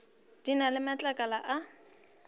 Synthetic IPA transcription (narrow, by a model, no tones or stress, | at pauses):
d̥inalɪmat͡ɬʼakʼalaʔa